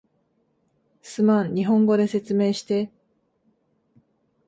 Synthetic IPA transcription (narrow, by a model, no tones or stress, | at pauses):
sɨmãɲ̟ɲʲːiɦõ̞ŋɡo̞d̪e̞se̞t͡sɨme̞ːɕi̥t̪e̞